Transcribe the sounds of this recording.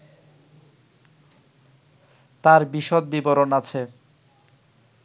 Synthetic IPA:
t̪aɾbiʃot̪̚biboɾonat͡ɕʰe

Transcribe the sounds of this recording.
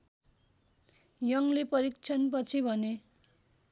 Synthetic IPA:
jʌŋlepʌɾikt͡sʰʌnp̬ʌt͡sʰibʱʌne

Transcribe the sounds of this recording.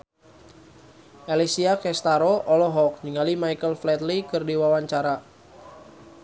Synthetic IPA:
ʔelisiakɛst̪aɾoʔɔlɔɦɔk̚ɲiŋalimajkəlflɛt̪likɨrdiwawaɲt͡ʃaɾa

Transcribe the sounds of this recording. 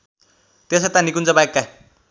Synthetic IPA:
t̪eset̪ãnikunt͡sʌbajekːa

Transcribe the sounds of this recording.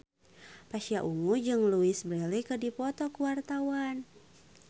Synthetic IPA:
paʃiaʔuŋud͡ʒɨŋluisbɾɛlikədipɔt̪ɔkuwart̪awan

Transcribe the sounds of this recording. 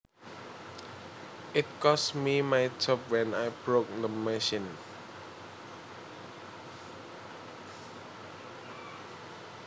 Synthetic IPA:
ɪt̚kɔsmimajtʰɔp̚wɛ̃najbɹok̚dəmɛʃĩn

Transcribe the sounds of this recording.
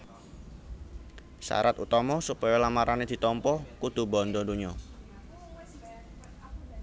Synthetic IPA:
sa̰ɾat̪ut̪ɔmɔsupɔjɔlamaɾaned̪̥i̤t̪ɔmpɔkud̪̥ṳbɔnd̪ɔduɲɔ

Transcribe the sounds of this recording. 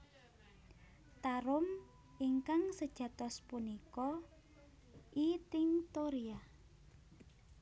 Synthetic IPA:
t̪aɾʊm | iŋkaŋsəd̥ʒ̥ä̤t̪ɔspunikɔ | ʔit̪ɪŋt̪oɾia

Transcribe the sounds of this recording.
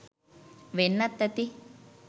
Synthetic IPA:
ʋenːɐt̪ːɐt̪i

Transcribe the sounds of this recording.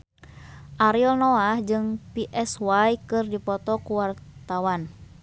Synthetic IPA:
ʔaɾiɔlnɔahd͡ʒɨŋpiʔɛswajkɨrdipɔt̪ɔkuwart̪awan

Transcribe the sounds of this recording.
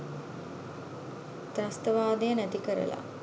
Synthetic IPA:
t̪ɾast̪əʋaːd̪ejənæt̪ikəɾə̰la̰

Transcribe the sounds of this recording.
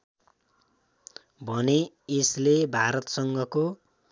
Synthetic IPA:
bʱʌneː | slebʱaɾʌt̪sʌŋɡʱʌko

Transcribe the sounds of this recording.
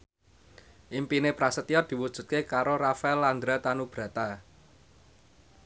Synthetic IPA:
ʔimpinepɾasət̪ijɔd̪̥i̤wud̥ʒ̥ṳt̪̚kekaɾorafaɛland̪ɾat̪anub̥ɾa̤t̪a

